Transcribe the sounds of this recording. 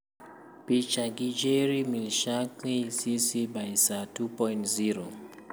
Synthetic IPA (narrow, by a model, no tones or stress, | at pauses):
pit͡ʃaɡid͡ʒeɾimilʃakisisibajsatupɔjntziɾo